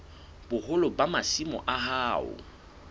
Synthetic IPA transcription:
b̥ʊhʊlʊbamasimɔ̰ʔaɦaːʊ̰

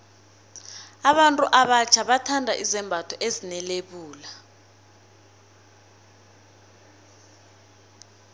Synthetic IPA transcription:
aɓantʼuʔaɓat͡ʃʰaɓatʰandʱaʔizɛmbʱatʰɔʔezinɛleɓuːla

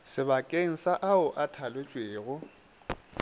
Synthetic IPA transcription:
sɪbakʼeŋ̩saʔaʊʔatʰalwet͡ʃʼweːɣʊ

